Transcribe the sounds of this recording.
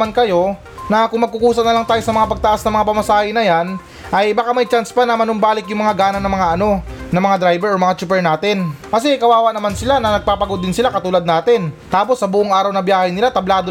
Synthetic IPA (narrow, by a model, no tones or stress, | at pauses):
ankɐjo̞ | nɐkʊŋmɐɡ̚kʊkuːsɐnɐlaŋt̪aːjo̞sɐmɐŋapɐɡ̚t̪ɐʔasnɐmɐŋapɐmɐsaːhɪnɐjan | ʔɐjbɐkamɐjt͡ʃanspanɐmɐnʊmbaːlɪkjʊŋmɐŋaɡaːnɐnɐŋmɐŋaʔɐno̞ | nɐŋmɐŋad̪ɾajbɛɾomɐŋat͡ʃup̬ɛɹnaːt̪ɪnkɐs̬ɛɪkɐwaːwɐʔnɐmansɪlanɐnɐɡ̚paːpɐɡo̞d̪ːɪnsɪlakɐt̪uːlɐd̪̚naːt̪ɪnt̪aːpo̞sːɐbuːʔoŋʔaːɾɐwnɐbjaːhɐjnɪlat̪ɐblaːd̪o